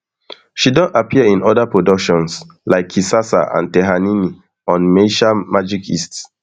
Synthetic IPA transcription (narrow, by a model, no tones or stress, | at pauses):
ʃidɔ̃ntapʰiəĩnɔdapɹodɔkʃɔ̃ns | laɪkʰːisasa̰ʔã̰ntɛɦanini | ɔ̃nmeʃamad͡ʒikʰḭsts